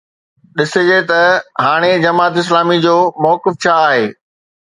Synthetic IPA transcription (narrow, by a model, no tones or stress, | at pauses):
ɗɪsed͡ʑet̪ɐɦaːɽ̃ed͡ʑɐmaːt̪ɪs̬laːmid͡ʑoːmɔːkɪft͡ɕʰaːɦeː